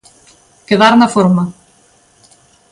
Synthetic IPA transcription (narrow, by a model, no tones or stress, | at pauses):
keðaɾnafoɾmɐ